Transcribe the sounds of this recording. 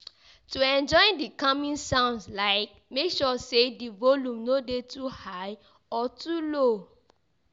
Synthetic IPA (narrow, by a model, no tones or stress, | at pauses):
tuɛ̃nd͡ʒɔɪ̃ndikamĩnsãʊ̃nslaɪk̚ | mekʃɔsedivolũmnodetʰuhaɪ | ɔtʰulo